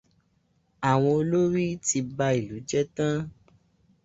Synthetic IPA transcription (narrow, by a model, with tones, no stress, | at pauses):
a˨w̃ɔ̃˧o˧lo˦ɾi˦ti˧ba˧i˨lu˨˦d͡ʒɛ˦tã˦